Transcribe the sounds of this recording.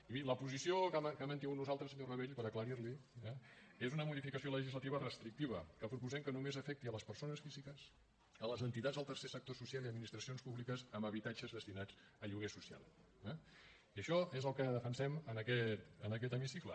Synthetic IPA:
iβiləpuzisiokakɛmənt̪iŋɡut̪nuzalˠt̪ɾəsəɲorəβeʎpəɾəkləɾiɾliɛezunəmuðifikəsioləʒizlət̪iβərəst̪ɾik̚t̪iβ̞əkəpɾupuzɛmkənumezəfɛk̚t̪iələspərsonəsfizikəs | ələzənt̪it̪ad͡zðəlˠt̪əɾsesək̚t̪osusjalˠiəd̪minist̪ɾəsionspuβlikəzəməβit̪ad͡ʒəzðəst̪inad͡z | əʎuɣesusia̰lˠ | ɛ | iəʃɔezəlˠkəðəfənsɛmənəkɛt̪ənəkɛt̪əmisiklə̰

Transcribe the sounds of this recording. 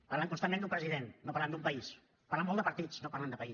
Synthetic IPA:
paɾlaŋkunst̪amːend̪umpɾəziðenːopaɾland̪umpəis | paɾlamːɔlˠd̪əpɐɾt̪it͡snoparland̪əpəi

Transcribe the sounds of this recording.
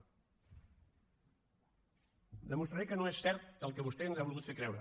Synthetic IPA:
d̪əmust̪ɾaɾekənoesɛɾt̪̚d̪əlˠkəβust̪ɛənzaβulˠɣut̪fekɾɛwɾə

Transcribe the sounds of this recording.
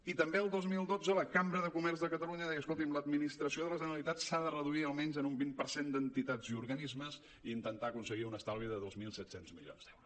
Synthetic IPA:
it̪əmbeəlˠd̪ozmilˠd̪od͡zələkambɾəðəkumɛrzðəkət̪əluɲəðɛjəskolˠt̪imləd̪minist̪ɾəsioðələʒənəlit̪atsaðərəðuiəlˠmɛnzənumbimpəɾsend̪ənt̪it̪aziuɾɣənizməz | iint̪ənt̪aəkunsəɣiunəst̪alˠβiəðəðozmilˠsɛt̪senzmḭʎo̰nzd̪ɛwɾu

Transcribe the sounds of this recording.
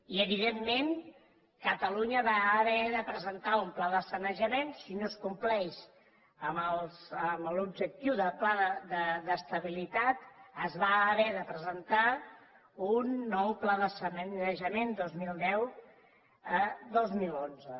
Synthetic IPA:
iəβiðemːen | kət̪əluɲəβaəβɛðəpɾəzənt̪aumplaðəsənəʒəmensinoskumplɛʃ | əməlˠsəməlubʒək̚t̪iwðəplaðəðəd̪əst̪əβilit̪at̪əzβaːβɛðəpɾəzənt̪a | unːɔwplaðəsənənnəʒəmend̪ozmilˠd̪ɛw | əd̪ozmilonzə

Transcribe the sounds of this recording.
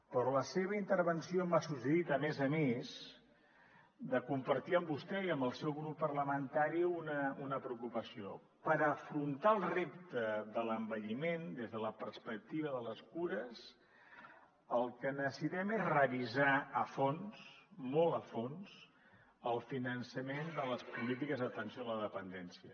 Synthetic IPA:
pɾɾɔləseβ̞əint̪əɾβənsiomasusəðit̪əmɛzəmez | d̪əkumpəɾt̪iəmbust̪ɛiəmbəlˠsɛwɣɾupːərləmənt̪aɾiunəunəpɾəukupəsio | pəɾəfɾunt̪alˠrep̚t̪əðələmbəʎimend̪ezðələpərspək̚t̪iβ̞əðələskuɾəz | əlˠkənəsit̪ɛmezrəβizaəfonsmɔlˠəfons | əlˠfinənsəmend̪ələspulit̪̬ikəzðət̪ənsijoələðəpənd̪ɛnsiə

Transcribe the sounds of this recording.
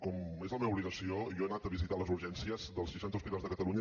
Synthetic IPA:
kɔmezləmeβəuβliɣəsiojɔenat̪əβizit̪aləzuɾʒɛnsiəzðəlˠsʃiʃant̪əuspit̪azðəkət̪əluɲə

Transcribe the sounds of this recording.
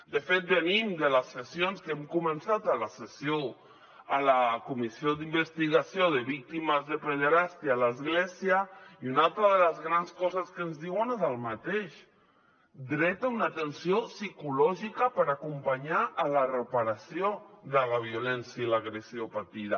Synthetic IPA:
d̪əfet̪̚bənimd̪ələsːəsionskɛmkumənsat̪alasəsjo | əlakumisiod̪imbəst̪iɣasjoðəβik̚t̪iməzðəpeðəɾast̪ialəzɣlɛsiəiunalˠt̪ɾəðələzɣɾanskɔzəskənzðiwənezəlˠmat̪eʃ | d̪ɾɛt̪aunat̪ənsiosikulɔʒikəpəɾakumpaɲaʔːlarəpaɾasjoðəlaβ̞iulɛnsjailaɣɾesiopat̪iða

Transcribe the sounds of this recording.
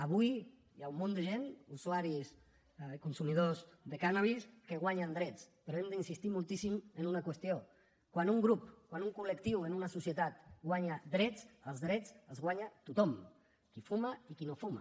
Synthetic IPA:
əβuj | jaumːõnd̪əʒenusuaɾis | kunsumið̞ozðekanaβ̞iskəɣwaɲand̪ɾɛt͡speɾoemd̪əinsist̪imulˠt̪isimənunakwest̪ijo | kwanuŋɡɾupkwanuŋkuləkt̪iwenunasusjet̪at̪ɡwaɲad̪ɾɛt͡səlˠzðɾɛt͡səlzɣwaɲat̪ut̪ɔm | kifumaikinofuma̰

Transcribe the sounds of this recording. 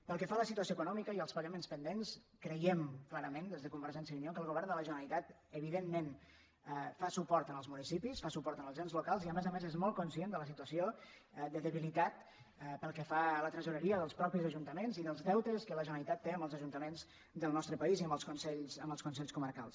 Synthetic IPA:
pəlˠkəfaləsit̪uəsjoekunɔmikəiəlˠspəɣəmenspənd̪enskɾəjɛmklaɾəmend̪ezðəkumbəɾʒɛnsjəunjokəlˠɣuβɛɾnd̪ələʒənəlit̪at̪ | əβ̞iðenmen | fasupɔɾt̪ənəlˠzmunisipisfasupɔɾt̪ənəlˠʒenzlukalˠziəmezəmezezmɔlˠkunsjend̪ələsit̪uəsio | d̪əðəβilit̪at̪ | pəlˠkɛfalət̪ɾəzuɾəɾiəðəlˠspɾɔpizəʒunt̪əmenziðəlˠzðɛwt̪əskələʒənəlit̪at̪ːeəmbəlˠzəʒunt̪əmenz | d̪əlˠnɔst̪ɾəpəiziəmbəlˠskunsɛʎzəmbəlˠskunsɛʎskuməɾkalˠs

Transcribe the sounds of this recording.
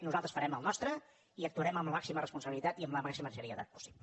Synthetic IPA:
nuzalˠt̪ɾəsfəɾɛməlˠnɔst̪ɾə | iək̚t̪uəɾɛməmləmaksimərəspunsəβilit̪at̪iəmləmaksiməʒəɾiəða̰t̪̚pu̥si̥blə

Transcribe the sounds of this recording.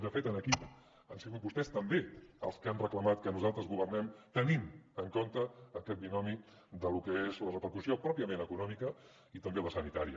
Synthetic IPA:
d̪əfet̪ənəkip | ansiɣut̪bust̪ɛst̪əmbeə̰lˠskanrəkləmat̪kənuzalˠt̪ɾəzɣuβ̞ərnɛmt̪əninəŋkont̪əːkɛt̪̚b̪inɔmi | d̪əlukəezlərəpəɾkusiopɾɔpiəmenəkunɔmikə | it̪əmbeləsənit̪aɾiə

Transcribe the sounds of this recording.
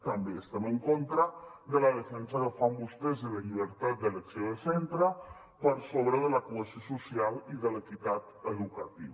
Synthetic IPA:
t̪əmbeəst̪eməŋkont̪ɾəðələðəfɛnsəðəfambust̪ezələʎiβ̞əɾt̪at̪̚d̪ələksjoðəsɛnt̪ɾə | pəɾsoβɾəðələkuəsiosusialiðələt̪it̪at̪əðukət̪ḭβə

